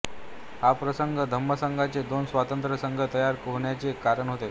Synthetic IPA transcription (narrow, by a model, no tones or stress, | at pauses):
hapɾəsəŋɡʱəd̪ʱəmːəsəŋɡʱat͡sed̪onsʋat̪ənt̪ɾəsəŋɡʱət̪əjaɾkoɦɳjat͡sekaɾəɳɦot̪e